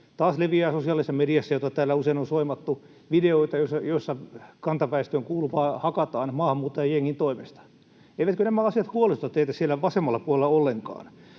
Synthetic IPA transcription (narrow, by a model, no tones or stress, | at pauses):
t̪ɑːsleʋiæːsosiɑlisːɑmediæsːæjot̪ɑt̪æːlːæuseinonsoimɑt̪ːu | ʋideoit̪ɑjoisːɑjoisːɑkɑnt̪ɑpæist̪øːŋkuːluʋɑːhɑkɑt̪ɑːnmɑːhɑmːuːt̪ːojɑjeŋːint̪oimest̪ɑ̥ | eiʋæt̪kønæmæɑsiɑt̪huolisot̪ɑt̪eit̪æssielːæʋɑsemːɑlːɑpuolelːɑolːeŋkɑ̰ːn